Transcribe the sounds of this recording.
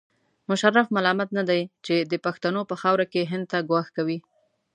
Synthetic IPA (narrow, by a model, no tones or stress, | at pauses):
mʊʃarːafmalɑmat̪nad̪ajt͡ʃed̪əpaxt̪anopəxɑwɾakeɦɪnd̪̚t̪aɡwɑxkawi